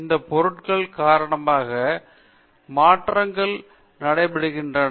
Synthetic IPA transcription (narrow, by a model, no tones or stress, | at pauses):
ɪnd̪ɐpɔɾɯʈkɐɭkaːɾɐɳɐmaːɣɐ | maːʈrɐŋɡɐɭ | nɐɽɐɪpɐɽɯɣɪndrɐ